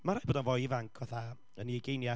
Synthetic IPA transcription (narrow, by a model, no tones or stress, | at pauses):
maɾaːjboːdanvɔjivaŋkʰvɛθa | ənieɡejnja